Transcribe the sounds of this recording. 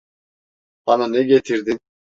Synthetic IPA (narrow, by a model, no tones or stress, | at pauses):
ɑnaneɡʲet̪ʰiɾd̪i